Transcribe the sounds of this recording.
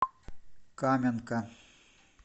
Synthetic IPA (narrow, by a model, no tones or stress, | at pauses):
kamʲɐnkɐ